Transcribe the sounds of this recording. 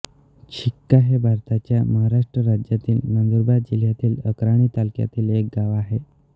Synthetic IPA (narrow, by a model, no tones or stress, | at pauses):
t͡ɕʰikːaɦebʱaɾt̪at͡ɕjaməɦaɾaʂʈɾəɾad͡ʑjat̪iːlmənd̪uɾbad̪̚d͡ʑiljat̪iːləkɾaɽ̃iːt̪alkja̰t̪iːlek̚ɡaʋaɦe